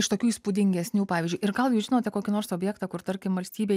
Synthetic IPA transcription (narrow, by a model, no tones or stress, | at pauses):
ɪʃt̪oːkʲuːiːspud̪ʲɪŋʲɡʲɛsʲnʲuːpɑːʋʲɪːzʲd͡ʒʊɪɾɡɐlˠjuːʒʲɪnoːt̪ʲɛkoːkʲɪnoːrɾsoːbʲjɛːkt̪ɑkʊɾt̪ɐɾʲkʲɪmʋɐlʲsʲt̪ʲiːbʲeː